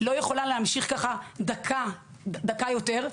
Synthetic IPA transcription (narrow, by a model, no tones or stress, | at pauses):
lo̞je̞χo̞lanlehamʃiχkaχad̪akʰa | d̪akajo̞te̞ʁ